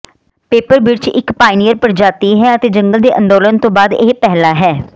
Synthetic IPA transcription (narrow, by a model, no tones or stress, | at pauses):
peːpəɾbɪɾt͡ʃɪ̰kpaːɪnijəɾpəɾd͡ʒaːt̪iːɦɛːət̪eːd͡ʒəŋɡəld̪eːʔə̰̃nd̪oːlənt̪õːbaːd̪eːpɛɦlaːɦɛː